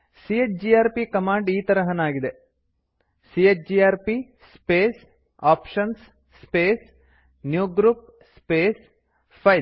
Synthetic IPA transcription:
siet͡ʃd͡ʒiaːɾpikɐmaːɳɖiːt̪ɐɾɐɦɐnaːɡid̪e | siet͡ʃd͡ʒiaːɾpi | speːs | aːpʃɐns | speːs | njuːɡɾuːp̚ | speːs | pʰɐj

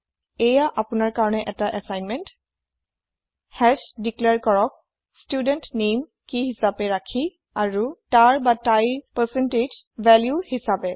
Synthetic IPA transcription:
ɛjaʔapʊnaɹkaɹɔnɛʔɛtaʔɛsajnmɛnt | hɛd͡ʒdiklɛɹkɔɹɔk̚ | studɛntnem | kiɦisapɛɹakʰi | aɹutaɹbatajpɛsɛnted͡ʒvɛljuhisapɛ

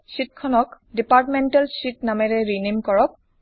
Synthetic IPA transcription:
sit̚kʰɔnɔk | dipaɹtmɛntalsitnamɛɹɛɹinimkɔɹɔk̚

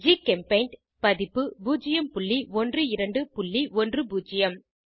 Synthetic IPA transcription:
d͡ʒikɛmpɐɪnʈ | pɐðɪpːɯbuːd͡ʒɪjɐmpʊɭːiɔndrɯɪɾɐɳɖɯpʊɭːiɔndrɯbuːd͡ʒɪjɐm

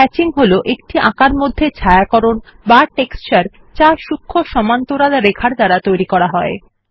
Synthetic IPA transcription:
ɛt͡ɕiŋɦoloʔek̚ʈiʔãkaɾmod̪ʱːet͡ɕʰaeakɔɾon | baʈekst͡ɕaɾ | t͡ɕaʃukʰːoʃɔmant̪oɾad̪aɾekʰaɾd͡ʑ̪aɾat̪ojɾikɔɾaɦɔe

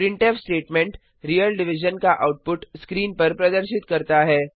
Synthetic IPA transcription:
pɾɪ̃ɳʈefsʈeːʈmẽɳʈ | ɾijəlɖɪʋɪʒənkaʔaʊʈ̚pʊʈskɾiːnpɐɾpɾɐd̪əɾʃɪt̪kɐɾt̪aɦɛː

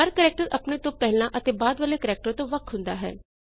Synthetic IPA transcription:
əɾkəɾɛːk̚ʈəɾəpneːt̪õːpɛɦlnãːʔət̪eːbaːd̪ʋəleːkəɾɛːk̚ʈəɾt̪õːʋəkʰɦʊ̃nd̪a̰ːɦɛ̰ː

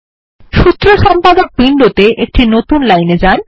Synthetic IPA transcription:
ʃut̪ːɾoʃɔmpad̪ok̚biɳɖot̪eʔek̚ʈinot̪unlajned͡ʑan

